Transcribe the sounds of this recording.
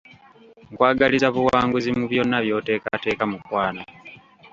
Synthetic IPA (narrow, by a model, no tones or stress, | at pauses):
ŋkwaːɡalizaβuwaːŋɡuzimuβjo̞nːaβjo̞ːte̞ːka̰te̞ːkamukwaːna